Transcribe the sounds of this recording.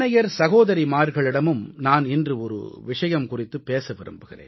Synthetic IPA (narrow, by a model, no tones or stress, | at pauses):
nɐjɐɾsɐɣoːðɐɾimaːɾɣɐɭɪɽɐmɯmnaːnɪndrɯɔɾɯ̰ʋɪʂɐjɐmkʊrɪt̪ːɯpːeːsɐʋɪɾɯ̰mbɯɣɪrḛː